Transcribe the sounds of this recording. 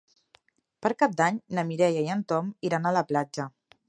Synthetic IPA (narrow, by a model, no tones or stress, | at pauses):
pəɾkap̚d̪aɲnəmiɾɛjajənt̪ɔmiɾanaləplad͡ʒə